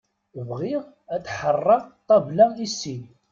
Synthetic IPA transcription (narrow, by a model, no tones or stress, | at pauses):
vʁɪʁ | ætːħərˤːɑt̪ˤːɑvlæisːi